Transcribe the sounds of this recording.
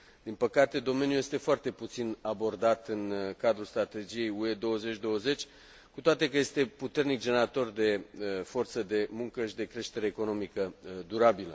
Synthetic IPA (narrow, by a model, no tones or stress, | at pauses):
d̪̥inpəkat̪e̞d̪o̞me̞njuje̞st̪e̞foart̪e̞put̪sinabo̞rd̪at̪ɨnkad̪ɾulst̪ɾat̪e̞d͡ʒije̞jue̞d̪o̞wəze̞t͡ʃʲd̪o̞wəze̞t͡ʃʲ | kut̪oat̪e̞kəje̞st̪e̞put̪e̞rnik̚d͡ʒeneɾat̪o̞rd̪e̞fo̞rt̪səd̪e̞muŋkəʃid̪e̞kɾe̞ʃt̪e̞ɾe̞ːko̞no̞mikəd̪uɾabilə